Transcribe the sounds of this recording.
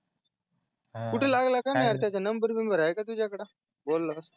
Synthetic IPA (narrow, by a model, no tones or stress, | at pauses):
kuʈʰelaɡlakanaaɾt̪jat͡ɕjanəmbəɾʋimbʱəɾajkat̪̬ud͡ʑjakəɽa | bolːast̪